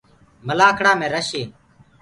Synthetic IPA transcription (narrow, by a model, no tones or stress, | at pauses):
məlaːkʰɽaːmẽːɾəʃeː